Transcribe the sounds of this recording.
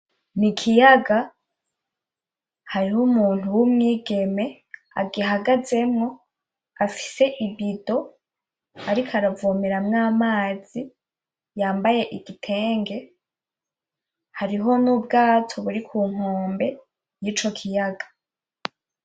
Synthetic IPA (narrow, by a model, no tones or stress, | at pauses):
nikʰijaɡa | haɾihumuːn̥uwumŋiːɡe̞me̞ | a̰ɡiɦaɡaze̞mŋo̞ | afi̥se̞ʔiβido̞ | aɾikʰaɾavomeɾamŋaːmaːz̥i | jaːmbaje̞ʔiɡitʰe̞ːŋɡe̞ | haɾiɦo̞nuːbɡaːtʰo̞βuɾikʰuːŋ̥oːmbe̞ | jiːt͡ʃo̞kʰijaɡa